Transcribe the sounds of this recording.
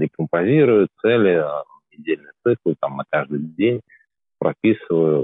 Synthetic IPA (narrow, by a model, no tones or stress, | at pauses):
ɾʲɪkəmpɐzʲiɾʊjʊt̪t̪sɛlʲɪ | nʲɪdʲelʲnɨjt̪sɨklˠt̪amnɐkaʐd̪ɨjdʲenʲ | pɾʔɐpʲisɨvəjʊ